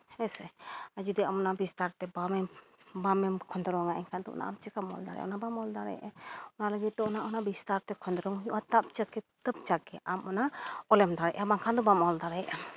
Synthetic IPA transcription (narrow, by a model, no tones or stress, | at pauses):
ɛsɛad͡ʒud̪ɛamɔnabist̪aɾt̪ɛbamɛmbamɛmkʰɔnd̪ɾɔŋaʔɛnkʰand̪ɔɔ̰na̰a̰mt͡ʃɛkamɔ̰ld̪a̰ɾɛ̰ʔɔ̰nabamɔld̪aɾɛ̰jʔɛɔnaləɡit̪̚d̪ɔɔnaʔɔnabist̪aɾt̪ɛkʰɔnd̪ɾɔŋɲuʔat̪ap̚t͡ʃəkːɛt̪əp̚t͡ʃakːɛʔamɔnaɔlɛmd̪aɾɛʔabaŋkʰand̪ɔbamɔld̪aɾɛʔam